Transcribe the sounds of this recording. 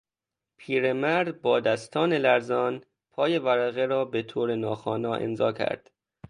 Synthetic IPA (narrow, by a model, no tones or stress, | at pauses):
pʰiːɾemæɾd̪bɒːd̪æst̪ʰɒːne̞læɾzɒːn | pʰɒːje̞væɾæɣeɾɒːbet̪ʰoːɾenɒːxɒːnɒːʔḛnzɒːcʰæ̰ɾd̪̥